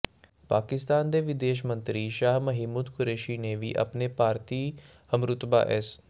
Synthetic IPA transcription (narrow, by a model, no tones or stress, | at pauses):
paːkɪst̪aːnd̪eːʋɪd̪eːʃ̬mənt̪ɾiːʃaːɦməɦiːmud̪kʊɾeːʃiːneːʋḭːʔə̰pneːpaːɾt̪iː | əmɾʊt̪ba̰ːʔɛs